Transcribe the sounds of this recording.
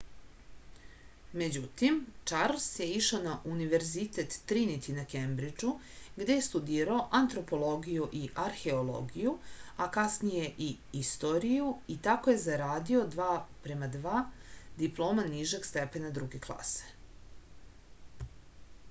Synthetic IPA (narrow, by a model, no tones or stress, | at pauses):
me̞d͡ʑut̪imt͡ʃaɾlsje̞iʃonaʔuniʋe̞ɾzit̪et̪ːɾinit̪inakembɾid͡ʒu | ɡd̪e̞jest̪ud̪iːɾaoʔant̪ɾo̞po̞lˠo̞ɡijuʔiʔaɾxe̞olˠo̰ɡijuakasnije̞ʔiist̪o̞ɾijuit̪ako̞je̞zaɾaːd̪io̞d̪ʋaːpɾe̞mad̪ʋaːd̪iplˠo̞ːmaniʒeɡst̪epenad̪ɾuɡeklˠa̰se̥